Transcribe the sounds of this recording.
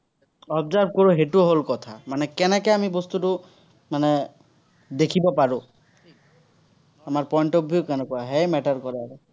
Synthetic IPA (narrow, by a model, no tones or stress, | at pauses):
ɔbzaɹb̚ʱkoɹuɦetuɦolkɔt̪ʰamanɛkɛnɛkɛamibɔst̪utu | manɛ | d̪ekʰibɔpaɹũ | amaɹpɔjɳʈɔbʱiokɛnɔkɔaɦɛjmɛʈaɹkɔɹaɛ